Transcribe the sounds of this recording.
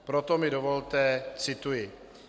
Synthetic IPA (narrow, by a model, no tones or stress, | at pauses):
pɾot̪omɪdovolt̪ɛt͡sɪt̪ujɪ